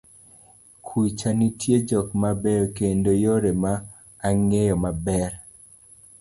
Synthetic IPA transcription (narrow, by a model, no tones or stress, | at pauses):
kʰwit͡ʃanitʰjed͡ʒɔkmabɛɾokendojoɾemaː | ŋejɔmabɛɾ